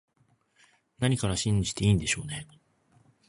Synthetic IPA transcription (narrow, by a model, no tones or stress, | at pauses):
naɲ̟ikaɾaɕĩɲ̟d͡ʑi̥t̪e̞iːnd̪e̞ɕo̞ːne